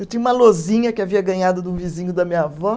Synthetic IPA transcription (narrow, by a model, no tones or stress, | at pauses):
ewt̪ĩɲ̃ũmɐlozĩɲɐkɪaviɐɡɐ̃ɲad̪ʊd̪ũvizĩɲʊd̪ɐmĩɲɐavɔ